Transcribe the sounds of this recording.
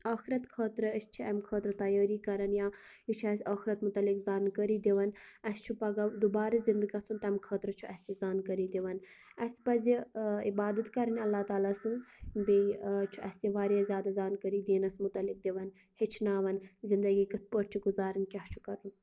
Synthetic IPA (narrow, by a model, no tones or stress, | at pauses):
aːxiɾɐt̪kʰəːt̪ɾɨɐst͡ʃʰiɐmkʰəːt̪ɾɨt̪ɐjəːɾikɐɾɐnjaː | it͡ʃʰɐsʲɐːxɾɐt̪mʊt̪ɐlːikzaːnkəɾiːd̪iʋɐnɐst͡ʃʰupɐɡɐd̪ubaːɾizind̪ɨɡɐt͡sʰunt̪ɐmkʰɐːt̪ɾɨt͡ʃʰuɐsizaːnkɐɾiːd̪iʋɐn | ɐspɐziibaːd̪ɐt̪kɐɾɐnʲɐlːaːt̪aːlaːsɨnzbit͡ʃʰuʔɐsiʋaːɾjeːzʲjaːd̪azaːnkəɾiːd̪iːnɐsmʊt̪ɐlik̚d̪iʋɐn | hit͡ʃʰnaːʋɐnzind̪ɐɡiːkɐt̪̚ʰpəːʈt͡ʃʰiɡuzaːɾɨnkʲɐht͡ʃʰu̥kɐɾɐn